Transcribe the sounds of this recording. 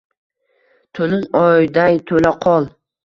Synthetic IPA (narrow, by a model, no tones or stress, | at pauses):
t̪ʰolɪŋɒjd̪ajt̪ʰolaqʰɒlˠ